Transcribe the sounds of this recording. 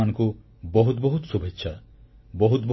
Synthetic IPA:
anɔ̃ŋku | bɔɦut̪bɔɦut̪ɔsubʱetːʃʰa | bɔɦut̪̚bɔ

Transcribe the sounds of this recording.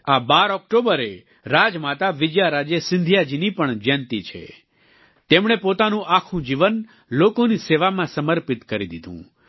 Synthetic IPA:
abaɾɔk̚ʈobəɾe | ɾad͡ʒmat̪aʋɪd͡ʒjaɾad͡ʒjesɪ̃nd̪ʱijad͡ʒinipəɳd͡ʒant̪it͡ʃʰḛ | t̪emɽ̃epot̪anũʔakʰũd͡ʒiʋən | lokoniseʋamãsəməɾpit̪kəɾid̪id̪ʱṵ̃

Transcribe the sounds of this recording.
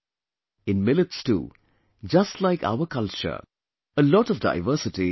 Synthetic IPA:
ɪ̃nmɪlɪtstṵː | d͡ʒʌstlaɪka̰ʊəkʌlt͡ʃə̰ | əlɔːʈɔfda̰ɪʋəːsɪʈi

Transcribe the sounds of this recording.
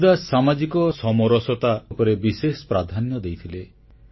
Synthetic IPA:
d̪asamad͡ʒikɔsɔmɔɾɔsɔt̪apɔɾebisesɔ̥pɾad̪ʱanjɔd̪ejt̪ʰile

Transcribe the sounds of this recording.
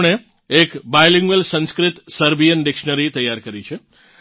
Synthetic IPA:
ɽ̃e | ekbajliŋɡəlsə̃nskɾɪt̪səɾbijənɖɪkʃnəɾit̪əjːaɾkəɾit͡ʃʰe

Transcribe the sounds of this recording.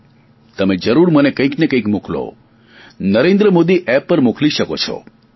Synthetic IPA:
t̪əmed͡ʒəɾuɾmənekə̃ĩknekə̃ĩkmuklo̰ | nəɾẽnd̪ɾəmod̪iʔɛpːəɾmukliʃəkot͡ʃʰɔ̰

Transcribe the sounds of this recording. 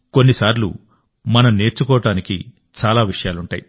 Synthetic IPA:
ko̞nːisaːɾlṵ | mɐnɐmne̞ːɾt͡ʃːukɔːʋɐʈaːnikḭ | t͡ʃaːlaːʋiʂɐjaːluɳʈa̰ːji

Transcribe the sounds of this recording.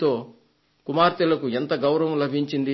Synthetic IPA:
t̪o̞ː | kumaːɾt̪ilɐkuent̪ɐɡɐwɾɐʋɐmlɐbʱiɲt͡ʃind̪i

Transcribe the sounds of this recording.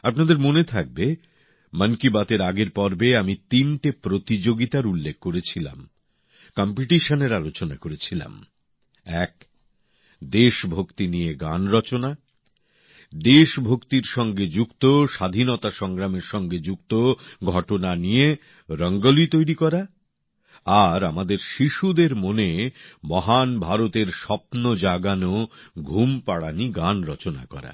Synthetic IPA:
apnad̪eɾmonet̪ʰak̚be | mənkibat̪eɾaɡeɾpɔɾbeamit̪inʈepɾot̪id͡ʑoɡit̪aɾulːekʰːoɾet͡ɕʰila̰m | kɔmpiʈiʃəneɾalot͡ɕona̰koɾet͡ɕʰila̰m | ɛk | d̪eʃbʱokt̪inieɡanɾɔt͡ɕona | d̪eʃbʱokt̪iɾʃɔŋɡed͡ʑukt̪oʃad̪ʱinɔt̪aʃɔŋɾameɾʃɔŋɡed͡ʑukt̪oɡʱɔʈonanije | ɾɔŋɡolit̪ojɾikɔɾa | aɾamad̪eɾʃiʃud̪eɾmonemɔɦanbʱaɾot̪eɾʃɔpnod͡ʑaɡanoɡʱumpaɽaniɡanɾɔt͡ɕona̰kɔ̰ɾa̰

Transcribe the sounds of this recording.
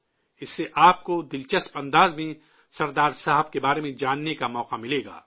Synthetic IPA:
ɪsːeʔaːp̚kod̪ɪlt͡ʃəspɐ̃nd̪aːzmẽ | sɐɾd̪aːɾsaːɦəb̚kebaːɾemẽd͡ʒaːnːekamɔːqamɪleːɡa̰ː

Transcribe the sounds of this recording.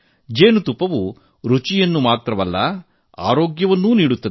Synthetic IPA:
d͡ʒeːnut̪upːɐʋu | ɾut͡ʃijɐnːumaːt̪ɾɐʋɐlːɐ̰ | a̰ːɾoːɡjɐʋɐnːuːniːɽut̪ːɐ

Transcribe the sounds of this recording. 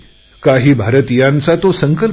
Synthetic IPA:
kaɦiːbʱaɾət̪ijãnt͡sat̪osəŋkəl

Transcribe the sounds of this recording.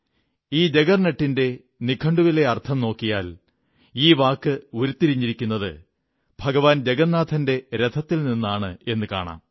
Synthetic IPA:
iːd͡ʑe̞ɡɐrneʈːinde̞ | nikʰɐɳɖuʋile̞ɐrt̪ʰɐmno̞ːkːijaːl | iːʋaːkːɨoɾut̪ːiɾiɲːiɾikʲːunːɐðɨ̰ | bʱɐɡɐʋaːnd͡ʑeɡɐnːaːt̪ʰɐnde̞ɾet̪ʰːɐt̪ːilninːaːɳɨe̞nːɨka̰ːɳa̰ːm

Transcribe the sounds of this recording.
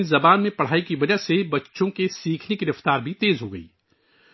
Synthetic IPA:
zɐbaːnmẽpɐɽ̤aːikiʋɐd͡ʒəɦsebɐtːʃõkesiːkʰnekiɾɐft̪aːɾbʱit̪eːzɦoɡɐḭː

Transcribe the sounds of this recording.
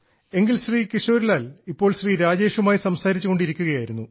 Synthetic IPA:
e̞ŋɡilɕriːkiɕo̞ːɾilaːlipːo̞ːɭɕriːɾaːd͡ʑe̞ːʂumaːjisɐmsaːɾit͡ɕːuɣoɳɖiɾikʲːuɣɐjaːjiɾunːu

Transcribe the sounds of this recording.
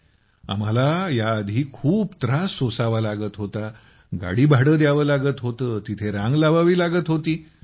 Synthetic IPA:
a̰m̤alajaːd̪ʱiːkʰuːpt̪ɾasːosaʋalaɡəːt̪ɦot̪a | ɡa̰ɽiːbʱaɽəːd̪jaʋəːlaɡət̪ɦot̪əːt̪it̪ʰeɾãŋɡlaʋaʋiːlaɡət̪ɦot̪iː

